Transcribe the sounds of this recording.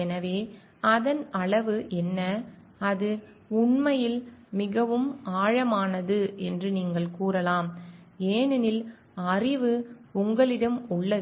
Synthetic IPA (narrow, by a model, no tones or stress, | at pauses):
ɛnɐʋeː | ɐðɐnɐɭɐʋɯʔɛnːɐ | ɐðɯ | ʊɳmɐjɪlmɪɣɐʋɯmaːɻɐmaːnɐðɯɛndrɯniːŋɡɐɭkuːrɐlaːmeːnɪnɪl | ɐrɪʋɯʊŋɡɐɭɪɽɐmʊɭːɐðɯ